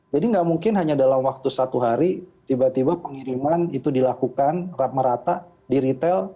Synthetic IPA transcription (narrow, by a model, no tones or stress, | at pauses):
d͡ʒadiŋɡaʔmuŋkɪnɦaɲadalamwak̚t̪usat̪uɦaɾit̪ibat̪ibapəŋiɾimanit̪udilakukanrat̪̚məɾat̪aʔ | diɾit̪ɛl